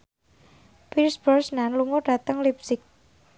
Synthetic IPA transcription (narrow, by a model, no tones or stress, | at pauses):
pilsb̥ɔrsnanluŋoɖ̥a̤t̪əŋlip̚sɪk̚